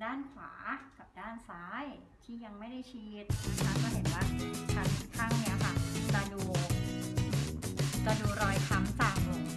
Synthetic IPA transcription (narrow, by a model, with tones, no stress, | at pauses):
daː˥˩nfʰa̰ː˩˦ka˨˩p̚daː˥˩nsaː˦˥j | t̪ʰiː˥˩ja˧ŋma˥˩jda˥˩jt͡ɕʰi˧t̪̚t̪ʰaː˥˩kɔː˥˩ɦe˨˩˦nwaː˥˩t̪ʰa˧˩kʰu˧nkʰaː˥˩ŋni˦˥˩a˨˩kʰa˥˩t͡ɕa˧duː˧˨ | t͡ɕa˧duː˧ɾɔː˧jt̪ʰa˧msa˨˩ŋ